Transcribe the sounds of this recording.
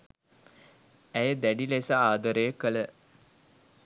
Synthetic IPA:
æjəd̪æɖilesaaːd̪əɾəjəkələ

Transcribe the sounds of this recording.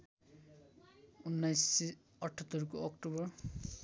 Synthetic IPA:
unːajsi | ʌʈʰʌt̪ːʌɾkoɔkʈobʌr

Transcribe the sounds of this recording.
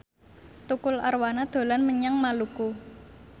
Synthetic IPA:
t̪ukʊla̰rwanad̪̥o̤lanməɲaŋmaluku

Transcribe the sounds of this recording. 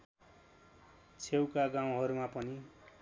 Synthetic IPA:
t͡sʰewkaɡaw̃ɦʌɾumapʌni

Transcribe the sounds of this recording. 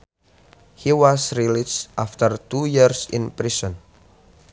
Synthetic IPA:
hiwɔsɾilisʔaft̪ərt̪ujiɹsḭ̃npɾisɔ̃n

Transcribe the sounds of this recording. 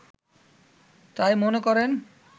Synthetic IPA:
t̪ajmonekɔɾen

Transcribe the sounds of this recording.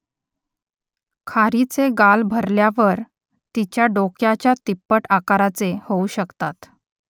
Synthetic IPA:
kʰaɾit͡seɡalbʱəɾljaʋəɾ | t̪it͡ɕjaɖokjat͡ɕjat̪ipːəʈakaɾat͡sehouɕəkt̪at̪

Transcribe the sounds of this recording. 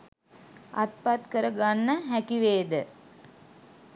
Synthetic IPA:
ʔɐ̰t̪̚pat̪kəɾɐɡanːəɦækiʋeːd̪ə

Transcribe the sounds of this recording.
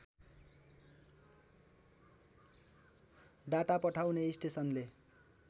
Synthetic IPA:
d̪aʈapʌʈʰawneisʈesʌnle

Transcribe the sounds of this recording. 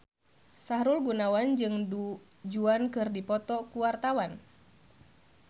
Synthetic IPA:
saɦɾulɡunawand͡ʒɨŋdu | d͡ʒuankɨrdipɔt̪ɔkuwart̪awan

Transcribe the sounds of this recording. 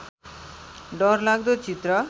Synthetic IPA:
ɖʌɾlaɡd̪ot͡sit̪ɾʌ

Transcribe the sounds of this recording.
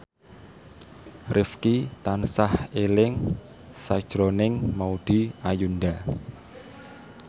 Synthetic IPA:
rʔɪfkit̪ansahelɪŋ | sajd̥d͡ʒ̥ɾonɪŋmaud̪̥i̤ajunda

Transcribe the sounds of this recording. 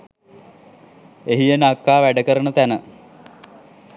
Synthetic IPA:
eɦijenakːaːʋæɖəkəɾənət̪ænə

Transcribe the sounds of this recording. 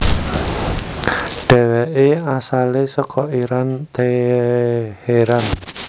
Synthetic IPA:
ɖ̥ɛ̤wɛʔeasalesɔkʰɔiɾant̪e | heɾan

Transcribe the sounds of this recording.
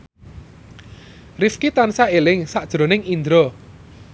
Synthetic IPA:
rifkit̪ansaelɪŋsaʔd̥ʒ̥ɾo̤nɪŋind̪ɾɔ

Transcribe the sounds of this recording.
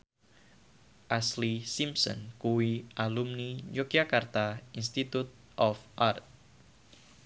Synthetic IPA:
ʔaslisimsɔ̰nkuwiʔalumnid͡ʒokijakart̪ainst̪it̪ut̪̚ | ʔɔfʔart̪̚

